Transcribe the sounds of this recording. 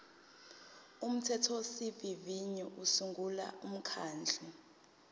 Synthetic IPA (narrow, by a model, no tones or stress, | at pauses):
um̩tʰɛtʰɔsiviviɲiʔusuŋɡʱula̰um̩kʰaːnd͡ɮʱɔ